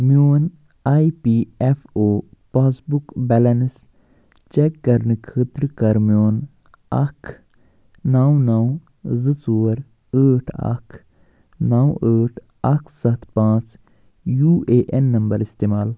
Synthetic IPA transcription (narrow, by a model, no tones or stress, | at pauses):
mijoːn | aːipiːefʰoːpaːsbukbɛlɐns | t͡ʃekːɐɾnɨkʰət̪ɾkɐɾmijoːn | ɐkʰ | nawnaw | zɨt͡soːɾ | əːʈʰɐ̰kʰ | nawəːʈʰ | ɐkʰsɐt̪ʰpãːt͡ʃ | juːeːʔenːɐmbɐɾist̪eːmaːl